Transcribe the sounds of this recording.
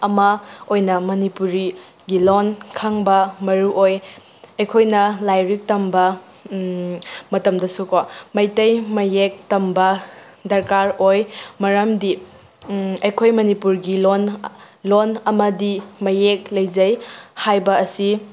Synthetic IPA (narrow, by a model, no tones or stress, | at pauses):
ɐmɐojnɐmɐnipuɾi | ɡilonkʰaŋbɐmɐɾuʔoj | ɐjkʰojnɐlajɾik̚tɐmbɐ | mɐtɐmdɐsukɔmɐjtɐjmɐjek̚tɐmbɐ | dɐɾkaɾojmɐɾɐmdi | ɐjkʰojmɐnipuɾɡilon | lonɐmɐdimɐjek̚lɐjd͡ʒɐjhajbɐɐsi